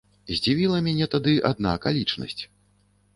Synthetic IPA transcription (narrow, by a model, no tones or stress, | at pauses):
zʲd͡zʲivʲilˠɐmʲɛnʲɛt̪ad̪ɨʔa̰d̪na̰kalʲit͡ʂnɐ̰sʲt͡sʲ